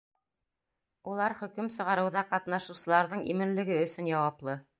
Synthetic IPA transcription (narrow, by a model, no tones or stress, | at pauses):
ulˠɑɾχɵ̆kɵmsɤ̆ʁɑɾɤ̆wðɑqɑt̪nɑʃɤ̆wsɤ̆lˠɑɾðɤɴimɘ̆nlɘ̆ɡɘɵ̆sɵnjɑwɑplˠɤ